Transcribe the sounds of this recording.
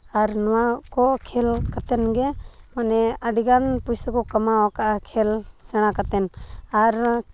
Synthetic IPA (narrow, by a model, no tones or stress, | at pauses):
aɾnɔwakɔkʰɛlkat̪ɛnɡɛ | manɛaɖiɡanpujsakɔkamawakaʔkʰɛlsɛɽ̃akat̪ɛnaɾ